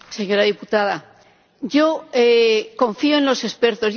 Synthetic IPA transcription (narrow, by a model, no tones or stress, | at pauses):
se̞ɲo̞ɾaðiput̪aða | o̞ekõ̞ɱfioenlo̞se̞spe̞ɾt̪o̞z